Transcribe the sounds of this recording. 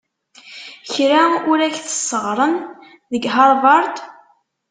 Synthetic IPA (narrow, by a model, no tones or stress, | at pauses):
çɾaʊɾæçθə̥sːəʁɾˤən | ðəɡɦɑɾˤvɑɾˤt̪ˤ